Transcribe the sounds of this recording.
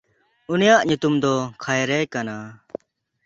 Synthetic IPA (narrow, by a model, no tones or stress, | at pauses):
unijaʔɲut̪umd̪ɔkʰajɾɛjkana